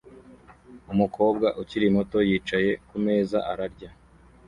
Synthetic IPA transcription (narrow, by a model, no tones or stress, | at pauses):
umukʰo̞ːbɡaʔuciɾimo̞to̞jiːt͡ʃaje̞kume̞ːza̰ʔaɾaɾɟa